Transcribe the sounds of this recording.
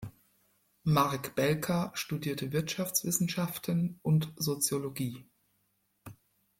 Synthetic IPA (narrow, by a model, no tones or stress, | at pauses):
maʁkb̥ɛlkʰɐʃtudiːɐtʰəvɪɐtʃaft͡sv̥ɪsn̩ʃaftʰənʔʊntzot͡sjoloɡiː